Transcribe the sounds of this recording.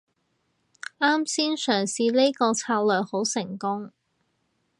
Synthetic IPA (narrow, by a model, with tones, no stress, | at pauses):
ʔaː˥msiː˥nsœː˨˩ŋsiː˧le˥jkɔː˧t͡sʰaː˧k̚lœː˨kho˨˥wsɪ˨˩ŋkʊ˥ŋ